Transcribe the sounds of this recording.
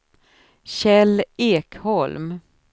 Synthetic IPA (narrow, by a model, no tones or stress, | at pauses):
ɕɛleːkhɔlm